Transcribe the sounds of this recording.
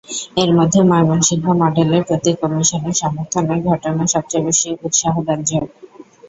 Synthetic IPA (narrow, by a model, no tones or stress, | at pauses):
eɾmɔd̪ʱːemajbonʃiɡʱːamɔɖeleɾpɾot̪ikɔmiʃoneɾʃɔmoɾt̪ʰoneɾɡʱɔʈonaʃɔp̚t͡ɕajbeʃiut̪ʃaɦod̪and͡ʑo